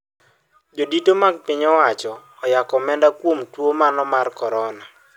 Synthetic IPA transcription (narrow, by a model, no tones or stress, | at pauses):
d͡ʒoditomaɡ̚pɪɲɔwat͡ʃɔːjakɔmɛndakwomtwomanɔmarkɔɾɔna